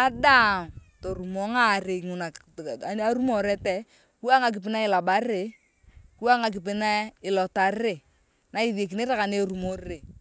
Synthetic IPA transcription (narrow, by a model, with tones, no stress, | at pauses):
a˦da˦mto˨ɾu˨mɔ˦ŋa˦˨ɾe˨ŋʊ˨na˨˦ | a˦ɾu˦mɔ˨ɾɛ˦tɛ˦ | ku˦a˦ŋa˨k̬ɪ˨p̬ɪ˦na˦ɪ˨la˨ba˦ɾe˨˦ | ku˦a˦ŋa˨k̬ɪ˨p̬ɪ˦na˦ɪ˨lɔ˨ta˨re˨ | na˨˦i˦ðe˨k̬i˨ne˦ɾa˦ka˨ne˦ɾu˨mo˦ɾe˨